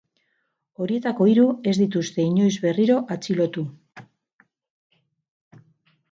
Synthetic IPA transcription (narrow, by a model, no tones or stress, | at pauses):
o̞ɾie̞t̪ako̞iɾue̞zd̪it̪ust̪e̞iɲo̞jzβe̞riɾo̞ʔat͡silo̞t̪u